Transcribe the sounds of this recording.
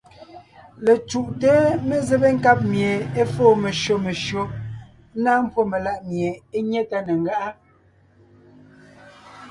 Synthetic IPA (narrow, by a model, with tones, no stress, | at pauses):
le˨t͡ʃu˨ʔte˦me˦ze˦be˦ŋ̩˦ka˦p̚mje˨e˦foː˦˨me˨ʃo˨me˨ʃo˦ | naː˦m˦pwo˦me˨la˦˨ʔmje˨e˦ɲɛ˦ta˦ne˨ŋ˨ɡa˦ʔa˦